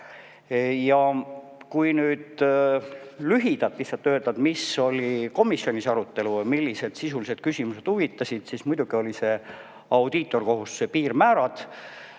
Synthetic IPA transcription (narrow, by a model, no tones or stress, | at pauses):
jɑ | kujnyːd̪ | lyɦid̪̥ɑt̪lihtsɑt̪ːøːd̪ɑd̪̥miso̞lʲiko̞misːio̞nʲisɑɾut̪ːˑe̞lumilːise̞d̪̥sisulise̞d̪̥̚kysʲimuse̞d̪̥uvit̪ˑːɑsʲid̪̥sismujd̪uɡ̥io̞lise̞ | ɑwd̪̥it̪ːˑo̞rko̞ɦussepiːrmæːɾɑd̪̥